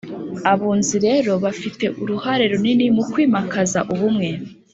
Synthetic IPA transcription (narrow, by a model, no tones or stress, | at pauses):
aβuːnziɾe̞ɾo̞βafite̞ʔuɾuhaɾe̞ɾuninimukwiːmakʰaza̰ʔuβumŋe̞